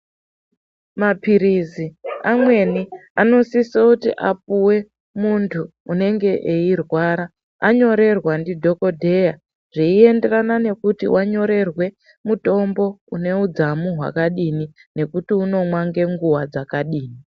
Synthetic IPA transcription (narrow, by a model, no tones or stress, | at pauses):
mapiɾiziamwe̞niano̞sisoutḭʔap̚uwe̞ | muntʰuːne̞ŋɡe̞ʔeirwaɾa | aɲo̞ɾe̞rwandidʱo̞ko̞dʱe̞ja | ʐ̥iie̞nde̞ranane̞kutḭwʔaɲo̞ɾe̞rwe̞ | muto̞mbo̞une̞ud͡zamuɦwa̰kaɗini | ne̞kutiuno̞mwaŋɡe̞ŋɡuwad͡zakaɗiːni